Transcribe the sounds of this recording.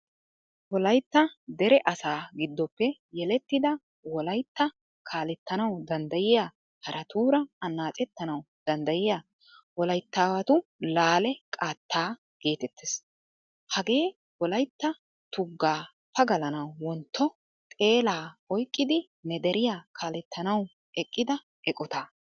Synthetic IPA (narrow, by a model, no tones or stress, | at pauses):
wɔlɐjt̪ːɐd̪ɛɾɛʔɐsaːɡɪd̪ːɔpːɛjɛlɛt̪ːɪd̪ɐ | wɔlɐjt̪ːɐ | kʰaːlɛt̪ːɐnɐwd̪ɐnd̪ɐjɪjaː | hɐɾʔɐt̪uːɾɐɐnːaːt͡sʼɛt̪ːɐnɐw | d̪̥ɐnd̪ɐjɪjaː | wɔlɐjt̪ːaːwɐt̪ʊlaːlɛkʼaːt̪ːaː | ɡ̥e̞ːt̪ɛt̪ʰːes | hɐɡe̞ː | wɔlɐjt̪ːɐ | t̪ʊɡːaː | pɐɡɐlɐnɐwwɔnt̪ːɔ | t̪ʼe̞ːlaːɔjkʼːɪd̪ɪ | nɛd̪ɛɾɪjaːkʰaːlɛt̪ʰːɐnɐw | ɛkʼːɪd̪ɐ | ɛkʼɔt̪aː